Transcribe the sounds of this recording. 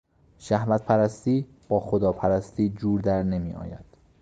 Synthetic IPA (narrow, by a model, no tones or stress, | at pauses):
ʃæhvæt̪̚pʰæɾæst̪iː | b̥ɒːxod̪ɒːpʰæɾæst̪iːd͡ʒuːɾd̪æɾne̞miːɒ̰ːjæ̰d̪̥